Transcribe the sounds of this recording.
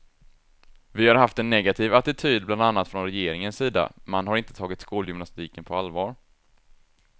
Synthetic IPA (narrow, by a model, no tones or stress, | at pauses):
vɪhaɾɦaft̪ɛnːɛɡat̪ʰiːvat̪ɪt̪ʰyːd̪̚bland̪anːat̪fɾɔnɾɛjeːɾɪŋənsːiːd̪a̰manɦaɾɪnt̪ə̥t̪ʰɑːɡɪt̪skuːljʏmnast̪iːkənpʰɔalvɑːɾ